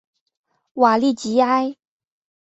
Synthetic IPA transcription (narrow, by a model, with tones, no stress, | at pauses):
wa˨˩li˥˩t͡ɕi˧˥˦a˥ɪ